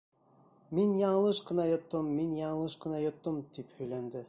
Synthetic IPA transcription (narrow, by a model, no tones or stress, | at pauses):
minjɑɴɤ̆lˠɤʃqɤ̆nɑjŏt̪ːɤmːinjɑɴɤ̆lˠɤʃqɤ̆nɑjŏt̪ːɤmt̪iphɵ̆jlænd̪ɘ